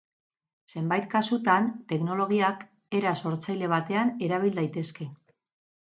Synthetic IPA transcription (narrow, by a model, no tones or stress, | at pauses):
se̞mbajt̪kasut̪ant̪e̞kno̞lo̞ɣ̞iak | e̞ɾaso̞ɾt͡sajle̞β̞at̪e̞ane̞ɾaβ̞ild̪ajt̪e̞ske̞